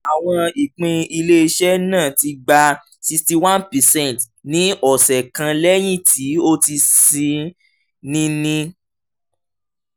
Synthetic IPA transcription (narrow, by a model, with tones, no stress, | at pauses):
a˨w̃ɔ̃˧i˨k͡pĩ˧i˧le˦˧ʃɛ˦nãː˦˨ti˧ɡ͡ba˧ | si˧sti˧wã˦npɛ˨sɛ̃˦˨nt | nĩ˨˦ɔ˨sɛ˨kã˧lɛ˦j̃ĩ˦˨ti˨˦o˦ti˧sĩ˧ | nĩ˧nĩ˧